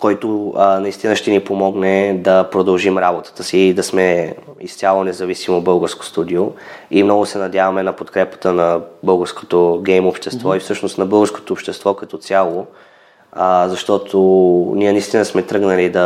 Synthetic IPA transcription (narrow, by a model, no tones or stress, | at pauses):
kɔjt̪onɐist̪inəʃt̪ɛnipomɔɡnɛd̪ɐpɾod̪ɐlˠʒimɾabot̪ə̥t̪əsid̪ɐsmɛist̪sʲjalˠonɛzɐvisimobɤlˠɡəɾsko̥st̪ud̪ioimnɔɡʊsɛnɐd̪javɐmɛnɐpot̪kɾɛpə̥t̪ənɐbɤlˠɡəɾsko̥t̪oɡɛjmopʃt̪ɛst̪vɔifsɤʃnost̪nɐbɤlˠɡəɾsko̥t̪oːpʃt̪ɛst̪vɔkɐt̪ɔt̪sʲjalˠo | əzɐʃt̪ɔt̪ʰoniɛnɐist̪inəsmɛt̪ɾɤɡnəlid̪ɐ